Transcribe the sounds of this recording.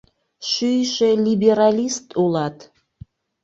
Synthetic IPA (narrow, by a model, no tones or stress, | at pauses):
ʃyjʃelibeɾɑlʲist̪ulɑt̪